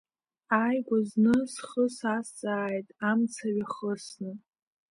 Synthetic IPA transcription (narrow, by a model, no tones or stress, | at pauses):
ajɡʷaznɨsχəsast͡sʼaːjtʼamt͡sʰaɥaχəsnɨ